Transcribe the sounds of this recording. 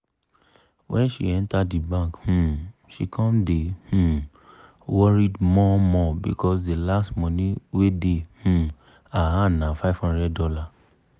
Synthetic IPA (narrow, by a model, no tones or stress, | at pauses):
wʔɛ̃nʃḭɛ̃ntadibãkhũʃikʰɔ̃mdehũ | wɔɹidmɔmɔbḭkʰɔsdelastmɔ̃nĩwedehũ | aanãfaɪv̥hɔ̃ndɹɛdːɔla